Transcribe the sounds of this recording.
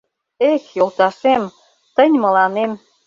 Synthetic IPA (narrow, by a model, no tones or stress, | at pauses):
exjolt̪ɑʃem | t̪ə̆nʲmə̆lɑnem